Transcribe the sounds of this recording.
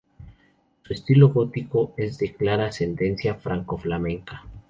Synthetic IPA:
sue̞st̪ilo̞ɣot̪iko̞e̞zðe̞klaɾase̞nd̪e̞nsjafɾaŋko̞flamẽ̞ŋkḁ

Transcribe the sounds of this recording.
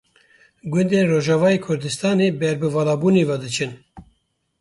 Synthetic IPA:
ɡʷʊnd̪eːnroːʒɑːvɑːjeːkʰʊɾd̪ɨst̪ɑːneːbɛɾbɨvɑːlɑːbuːneːvɑd̪ɨt͡ʃʰɨn

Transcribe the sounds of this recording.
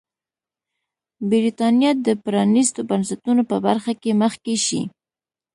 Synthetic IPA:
bɪɾit̪ɑnjɑd̪əpɾɑnist̪obansat̪unopəbaɾxakeməxkeʃḭ

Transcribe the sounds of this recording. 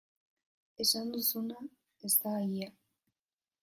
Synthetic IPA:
e̞sand̪usuna | e̞st̪aajia

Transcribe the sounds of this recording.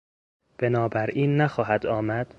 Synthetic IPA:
b̥e̞nɒːbæɾʔiːnːæxɒːɦæd̪ɒːmæd̪̥

